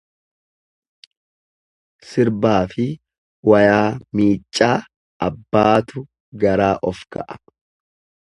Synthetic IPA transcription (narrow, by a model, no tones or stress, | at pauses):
sɪɾbaːfɪ | wɐjaːmiːt͡ʃʼːaː | ɐbːaːt̪ʊ | ɡɐɾaːʔɔfkɐ̰ʔɐ̥